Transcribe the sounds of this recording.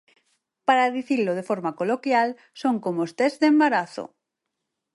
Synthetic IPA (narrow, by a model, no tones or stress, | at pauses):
paɾaðiθiloð̞efoɾmakolokjal | soŋkomost̪ezdembaɾaθo̰